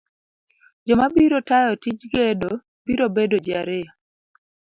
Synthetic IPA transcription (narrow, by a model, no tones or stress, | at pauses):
d͡ʒɔmabiɾotajɔtid͡ʒɡedo | b̥iɾobedod͡ʒaɾe